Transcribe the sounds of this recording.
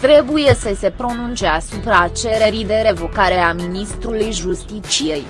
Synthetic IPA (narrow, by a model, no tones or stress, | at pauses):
t̪ɾe̞buje̞səse̞pɾo̞nunt͡ʃeasupɾaːt͡ʃele̞ɾid̪e̞ɾe̞vo̞kaɾe̞aminist̪ɾulujʒust̪it͡ʃije̞j